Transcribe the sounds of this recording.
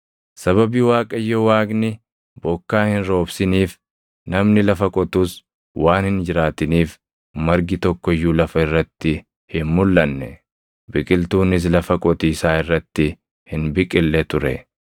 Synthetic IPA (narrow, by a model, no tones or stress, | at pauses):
sɐβɐbiwaːkʼɐjːɔwaːɡnɪ | bɔkːaːhɪnɾo̞ːbsɪniːf | nɐmnɪlɐfɐkʼɔt̪uːs | waːnhɪnd͡ʒɪɾaːt̪ɪniːf | mɐɾɡɪt̪ɔkːɔɪjːulɐfɐɪrːɐt̪ːɪ | hɪnmʊlːɐnːɛ̰ | bɪkʼɪlt̪uːnɪs̬lɐfɐkʼɔt̪iːsaːɪrːɐt̪ːɪ | hɪnbɪkʼɪlːɛt̪ʊɾɛ̰